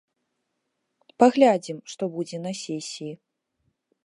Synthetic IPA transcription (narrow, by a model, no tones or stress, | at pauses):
paɣlʲad͡zʲimʂt̪ɔbud͡zʲɛnɐsʲɛsʲiji